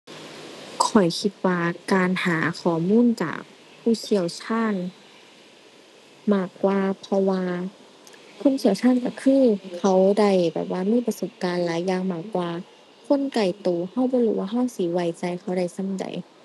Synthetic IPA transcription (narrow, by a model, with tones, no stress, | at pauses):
kʰɔ˨˩jkʰi˧t̪̚waː˧kaː˨nhaː˨˩˦kʰɔː˨˩muː˧˥˨nt͡ɕa̰ː˨˩k̚ | pʰːuː˧˩˨si˧˩əwt͡ɕʰaː˧˥˨n | maː˧˩kwaː˧pʰɔ˧waː˧ | kʰo˧˥˨nsʰi˧˩əwt͡ɕʰaː˧˥˨nka˧˩kʰɯː˧˥˨kʰa˧˦wda˧˩jbɛ̰ː˨˩p̚waː˧˨miː˧˥˨pa˧so˨˦p̚kaː˨˧nlaː˨˦jːaː˧˨ŋmaː˧˩k̚waː˧ | kʰo˧˥˨nka˨˩jt̪uː˨ha˧˥˩wbɔː˧˦luː˧˩waː˧ɦa˧˥˩wsi˧˦wa˧˩jt͡ɕa˧jxʰa˧˩wda˧˩jsa˧˥˨mda̰˨˩j